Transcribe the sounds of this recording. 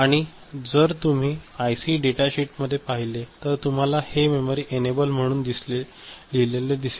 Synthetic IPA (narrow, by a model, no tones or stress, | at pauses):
aɽ̃i | d͡zəɾt̪um̤iːajsiːɖeʈaɕiʈməd̪ʱːjepaɦilet̪əɾt̪um̤alahememoɾiːʔenebəlm̤əɽ̃uːnd̪isle | lileled̪ise